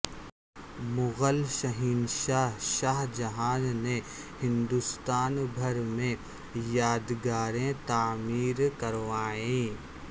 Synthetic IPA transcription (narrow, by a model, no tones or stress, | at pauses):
mʊɣəlʃɐɦiːnʃaːɦʃaːɦd͡ʒɐɦaːnnẽ | hɪ̃nd̪ʊst̪aːnbʱɐɾmẽ | jaːd̪ɡaːɾẽt̪aːmiːɾkɐɾʋaːẽː